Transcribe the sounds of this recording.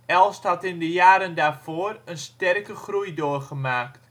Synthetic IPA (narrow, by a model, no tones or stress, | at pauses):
ɛlˠsthɑtɪndəjaːɾəndaːfoːərənstɛrkəχrujdoːrχəmaːkt